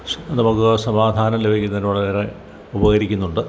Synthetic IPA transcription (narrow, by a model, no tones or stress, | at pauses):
nɐmukːɨsɐmaːd̪ʱaːnɐmlebʱikʲːunːɐðinuɭɐeːɾe | ubɐɣɐɾikʲːunːuɳɖɨ